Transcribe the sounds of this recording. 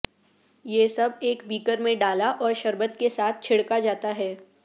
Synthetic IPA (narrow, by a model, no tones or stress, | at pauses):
jesɐbeːkbiːkəɾmẽɖaːlaʔɔːɾʃɐɾbət̪kesaːt̪̚ʰt͡ʃʰɪɽkad͡ʒaːt̪aɦɛː